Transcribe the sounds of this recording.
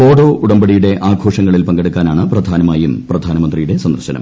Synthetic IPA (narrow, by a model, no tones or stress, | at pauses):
o̞ːɽo̞ːʔuɽɐmbɐɽijuɽe̞ʔaːɡʱoːʂɐŋːɐɭilpɐŋɡɐɽukːaːnaːɳɨprɐd̪ʱaːnɐmaːjumprɐd̪ʱaːnɐmɐnd̪rijuɽe̞sɐnd̪ɐrɕɐnɐ̰m